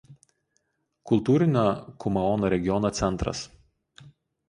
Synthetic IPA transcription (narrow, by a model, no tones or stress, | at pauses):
kʊlˠt̪uːɾʲɪnʲoːkʊmɐɔnoːɾʲɛɡʲɪɔnoːt̪sʲɛnˑt̪ɾɐ̰s